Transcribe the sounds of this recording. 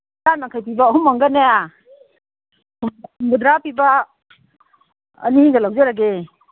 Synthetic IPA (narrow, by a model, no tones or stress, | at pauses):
anaŋkʰajpibaːɦumːaŋɡanaja | ɡudɾapːiba | niɡalawzeɾaɡe